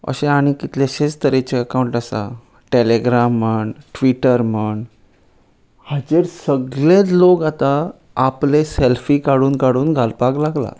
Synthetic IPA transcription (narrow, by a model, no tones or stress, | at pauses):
ə̰ɕẽaɽ̃ikit̪leɕet͡st̪əɾet͡ɕeəkauɳʈasa̰ | ʈeleɡɾaməɳʈʋiʈəɾməɳ | had͡ʑeɾsəɡlẽt͡slokat̪aː | pleselfiːkaɽuːnkaɽuːnɡʱalpaɡlaɡla̰